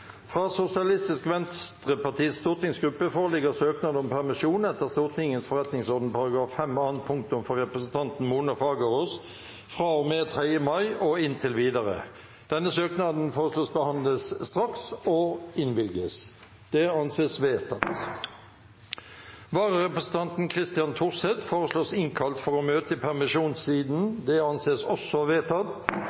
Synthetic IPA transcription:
fʁɑːsʊsɪɑlɪst̪ɪskʋɛnt̪ʁəpɑʁt̪ʰiːst̪uːʁt̪ɪŋsɡʁʉpːəfoːʁəlɪɡəsøːknɑd̪ɔmpʰæʁmɪʃuːnɛt̪ːəʁst̪uːʁt̪ʰɪŋənsfɔʁɛt̪nɪŋsɔʁd̪n̩pɑʁɑɡʁɑːffɛmɑːn̚pʰʊŋk̚t̪ʊmfɔʁʁɛpʁəsnt̪ʰɑnt̪n̩muːnɑfɑːɡəʁos | fʁɑːɔmeːt̪ʰʁeəmɑɪɔɪnt̪ʰɪlʋiːd̪ɑʁə̰ | d̪̥ɛnːəsøːknɑd̪n̩foːʁəsloːsbəhɑnləsːt̪ʁɑksɔɪnʋɪlɡəs | d̪̥ɛɑnseːsʋeːt̪ʰɑt̪ | ʋɑːʁəʁɛpəsn̩t̪ɑnt̪n̩kʰʁɪst̪ɪjɑnt̪ʰʊʁsɛt̪foːʁəsloːsɪŋkʰɑlt̪fɔʁɔmøːt̪əpʰæʁmɪʂuːnssiːd̪n̩d̪ɛɑnseːsɔsːɔʋeːt̪ʰɑt̪

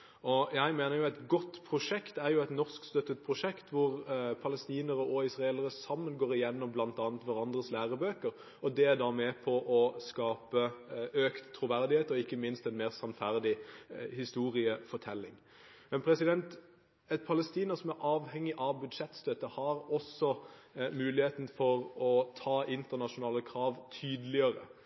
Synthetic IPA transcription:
ɔjæɪmeːnəjʊæt̪ɡɔt̪ːpʰɾʊʂɛkt̪æɾjʊɛɪt̪nɔʁskst̪œt̪ːət̪̚pʰʁʊʂɛkt̪ʋʊɾpʰɑləst̪iːnəɾəʔɔɪsʁɑeːləɾəsɑmːənɡoːɾɪjɛnːɔmblɑnt̪ɑːnt̪ʋɑɾɑnd̪ɾəslæːʁəbøːkəɾ | ɔd̪ɛæɾd̪ɑmɛpʰɔʔɔskɑːpəøːkt̪ʰːɾʊʋæɾd̪ɪheːt̪ɔɪkːəmɪnst̪ɛnmeːʁsɑnfæɾd̪ɪhɪst̪uːʁɪəfɔʈ̪ʰɛlːɪŋ | mɛnpʰɾɛsɪd̪ɛnt̪ | ɛt̪̚pʰɑləst̪iːnəɾsɔmæɾʔɑːʋhɛŋːɪʔɑʋbʉd̪ʂɛt̪st̪øt̪əhɑɾɔsɔmʉːlɪheːt̪n̩fɔɾɔt̪ʰɑːɪnt̪əʁnɑʂʊnɑːləkʰɾɑːʋt̪ʰyːd̪lɪəɾə̰

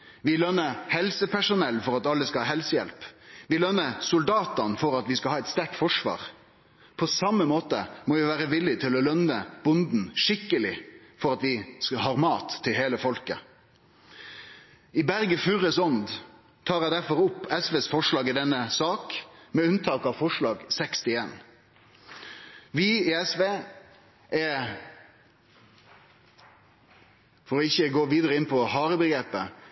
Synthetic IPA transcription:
ʋɪlœnːəhɛlsəpʰæʂʊnɛlːfɔɾɑt̪ɑlːəskɑhɑːɦɛlsəjɛ̰lpʋɪlœnːəsʊld̪ɑːt̪ɑnfɔɾɑt̪ʋɪskɑhɑːɛɪt̪st̪æʈfɔʂʋɑ̰ːʁ | pʰɔsɑmːəmoːt̪ə̰moːʋɪʋæːɾəʋɪlːɪt̪ʰɪlɔlœnəb̥ʊnd̪n̩ʂɪkːəlɪfɔɾɑt̪ʋɪshɑːʁmɑːt̪ʰːɪlheːləfɔlkə | ɪbæɾɡəfʉʁəsɔnd̪ | t̪ʰɑːɾæɪd̪æɾfɔɾʊpːɛsʋeːsfɔʂlɑːɡɪd̪ɛnːəsɑːkmɛʉnt̪ʰɑːkɑʋfɔʂɭɑːɡsɛkst̪ɪeːn | ʋɪɪɛsʋeː | ʔɛ | fɔɾɔɪçːəɡoːʋiːd̪əɾəɪnpʰɔhɑːɾəbəɡɾeːpə

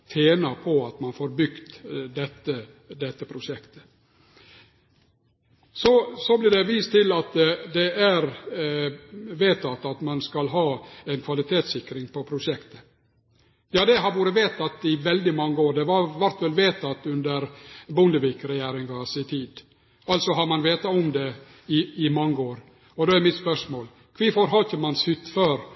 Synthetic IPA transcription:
t̪ʰeːnɑpʰɔɑt̪mɑnfoːɾbʏɡt̪d̪ɛt̪ːə | d̪ɛt̪ːəpʰɾʊʂɛkt̪ə̥ | sɔsɔblɪɖɛʋiːst̪ʰɪlɑt̪d̪ɛʔæɾ | ʋeːt̪ʰɑt̪ːɑt̪mɑnskɑlɦɑːɛnkʰʋɑlɪt̪ʰeːt̪sɪkɾɪŋpʰɔpʰɾʊʂɛkt̪ə | jɑːd̪ɛɦɑɾʋuːɾəʋeːt̪ɑt̪ɪʋɛld̪ɪmɑŋːəoːɾd̪ɛʋɑɾʋæɾt̪ʋɛlʋeːt̪ɑt̪ʉnd̪əɾbʊnd̪əʋɪkɾɛjæːɾɪŋɡɑsɪt̪ʰiːd̪ | ɑlt̪sɔɦɑɾmɑnʋeːt̪ɑɔmd̪ɛ | ɪɪmɑŋːəoːɾ | ɔd̪ɛːæɾmɪt̪spœʂmoːl | kʰʋiːfɔɾɦɑkːəmɑnshʏt̪ːføːɾ

